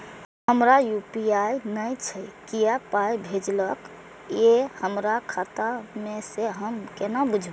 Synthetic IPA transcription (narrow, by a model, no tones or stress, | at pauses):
həmɾajupiajnəjt͡ʃʰəkijapajbʱed͡ʒlək | jehəmɾakʰat̪ameseɦəmkenabud͡ʒʱb